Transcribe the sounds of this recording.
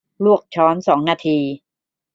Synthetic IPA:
lu˥˩ək̚t͡ɕʰɔː˦˥msɔː˩˦ŋnaː˧t̪ʰiː˧

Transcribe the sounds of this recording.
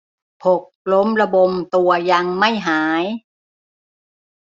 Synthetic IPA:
pʰo˨˩k̚lo˦˥mɾa˧bo˧ŋt̪u˧ɐja˧ŋma˥˩jɦaː˩˦j

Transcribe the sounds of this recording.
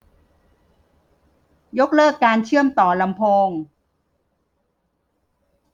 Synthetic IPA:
jo˦˥k̚lɤː˥˩kːaː˧nt͡ɕʰɯ˥˩əmt̪ɔː˨˩la˧mpʰoː˧ŋ

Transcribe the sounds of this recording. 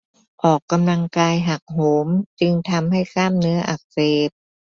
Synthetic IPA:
ʔɔː˨˩kːa˧mla˧ŋkaː˧jɦa˨˩k̚ɦoː˩˦mt͡ɕi˧ŋt̪ʰa˧mha˥˩jkʰaː˥˩mnɯ˦˥ɐʔa˨˩k̚seː˨˩p̚

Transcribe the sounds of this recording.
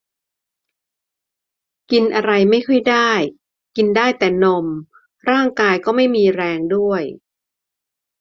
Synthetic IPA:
ki˧nʔa˧ɾa˧jma˥˩jkʰɤ˥˩jdaː˥˩j | ki˧ndaː˥˩jt̪ɛː˨˩no˧m | ɾaː˥˩ŋkaː˧jkɔː˥˩ma˥˩jmiː˧ɾɛː˧ŋdu˥˩əj

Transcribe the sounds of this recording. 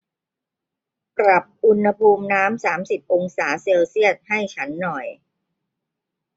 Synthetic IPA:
pɾa˨˩p̚ʔu˧nha˧pʰuː˧mnaː˦˥msaː˩˦msi˨˩p̚ʔo˧ŋsaː˩˦se˧wsi˥˩ət̪̚ha˥˩jt͡ɕʰa˦˥nːɔ˨˩j

